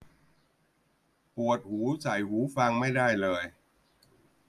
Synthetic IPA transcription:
pu˨˩ət̪̚huː˩˦sa˨˩˦jhuː˩˦fa˧ŋma˥˩jda˥˩jlɤː˧j

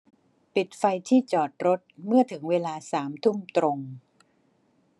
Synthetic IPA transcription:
pi˨˩t̪̚fa˧jt̪ʰiː˥˩t͡ɕɔː˨˩t̪̚ɾo˦˥t̪̚mɯ˥˩ɐt̪ʰɯ˩˦ŋweː˧laː˧saː˩˦mt̪ʰu˥˩mt̪ɾo˧ŋ

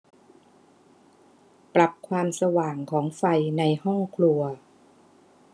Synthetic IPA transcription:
pɾa˨˩p̚kʰwaː˧msa˧waː˨˩ŋkʰɔː˩˦ŋfa˧jna˧jhɔ˥˩ŋkʰlu˧ɐ

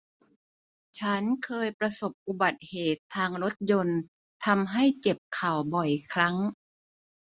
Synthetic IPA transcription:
t͡ɕʰa˦˥nkʰɤː˧jpɾa˧so˨˩p̚ʔu˨˩ba˨˩t̪̚heː˨˩t̪ʰːaː˧ŋɾo˦˥t̪̚jo˧n | t̪ʰa˧mɦa˥˩jt͡ɕe˨˩p̚kʰa˨˩wbɔ˨˩jkʰɾa˦˥ŋ

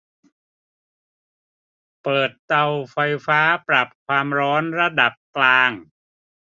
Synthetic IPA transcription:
pɤː˨˩t̪̚ːa˧wfa˧jfaː˦˥pɾa˨˩p̚kʰwaː˧mɾɔː˦˥nɾa˧da˨˩p̚klaː˧ŋ

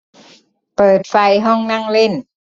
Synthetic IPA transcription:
pɤː˨˩t̪̚fa˧jɦɔ˥˩ŋna˥˩ŋle˥˩n

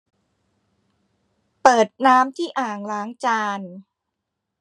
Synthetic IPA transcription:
pɤː˨˩t̪̚naː˦˥mt̪ʰiː˥˩ʔaː˨˩ŋlaː˨˦ŋt͡ɕaː˧n

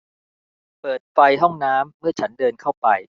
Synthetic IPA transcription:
pɤː˨˩t̪̚fa˧jɦɔ˥˩ŋnaː˦˥mːɯ˥˩ɐt͡ɕʰa˦˥ndɤː˧nkʰa˥˩wpa˧j

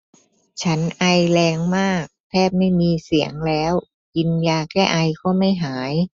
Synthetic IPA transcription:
t͡ɕʰa˦˥nʔa˧jlɛː˧ŋmaː˥˩k̚t̪ʰɛː˥˩p̚ma˥˩jmiː˧si˨˩˦əŋlɛː˦˥w | ki˧njaː˧kɛː˥˩ʔa˧jkɔː˥˩ma˥˩jɦaː˩˦j

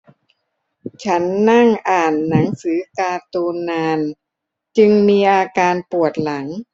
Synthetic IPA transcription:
t͡ɕʰa˦˥nːa˥˩ŋʔaː˨˩nːa˩˦ŋsɯː˩˦kaː˧t̪uː˧nːaː˧n | t͡ɕɯ˧ŋmiː˧ʔaː˧kaː˧npu˨˩ət̪̚la˩˦ŋ

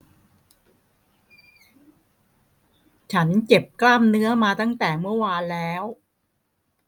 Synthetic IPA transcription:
t͡ɕʰa˦˥nt͡ɕe˨˩p̚klaː˥˩mnɯ˦˥ɐmaː˧t̪a˥˩ŋt̪ɛː˨˩mɯ˥˩əwaː˧nlɛː˦˥w

